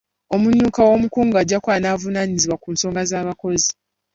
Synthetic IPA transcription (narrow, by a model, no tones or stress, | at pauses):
o̞muɲːuːkawo̞mukuːŋɡuaɟːakwaːnaːvunaɲiziβwakuːnso̞ːŋɡazaːβako̞zi